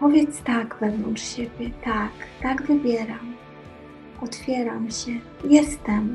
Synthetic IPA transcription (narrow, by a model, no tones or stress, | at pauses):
pɔvʲjɛt̪st̪aɡvɛvnɔnt͡ʂɕebʲjɛt̪akt̪aɡvɘbʲjɛɾam | ʔɔt̪fʲjɛɾamɕɛ | jɛst̪ɛm